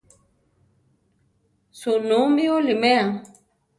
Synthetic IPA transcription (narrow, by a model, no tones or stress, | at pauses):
sunumiolimea